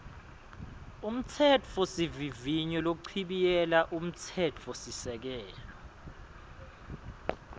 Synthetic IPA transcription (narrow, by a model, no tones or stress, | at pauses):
um̩tʰɛt͡fʰɔsiviviɲɔlok̬uǀʰiɓijɛlaʔum̩tʰɛt͡fʰɔsisɛk̬ɛːjlɔ